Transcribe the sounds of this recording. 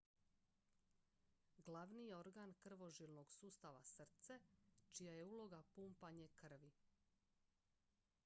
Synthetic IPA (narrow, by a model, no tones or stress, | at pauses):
ɡlaʋnijeo̞ɾɡankr̩ʋo̞ʒilnoɡsuːst̪aʋa̰sr̩t̪set͡ʃijaje̞uːlˠo̞ɡapuːmpaɲekr̩ʋi